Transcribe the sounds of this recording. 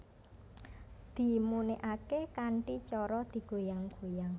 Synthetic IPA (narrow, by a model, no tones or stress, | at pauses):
d̪̥i̤muneʔakekaɳʈit͡ʃɔɾɔd̪̥i̤ɡ̥o̤jaŋkojaŋ